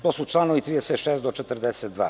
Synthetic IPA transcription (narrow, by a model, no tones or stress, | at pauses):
t̪ɔsut͡ʃlˠanovit̪ɾid̪ɛsɛt̪ʃɛst̪d̪ot͡ʃɛt̪əɾd̪ɛsɛt̪va̰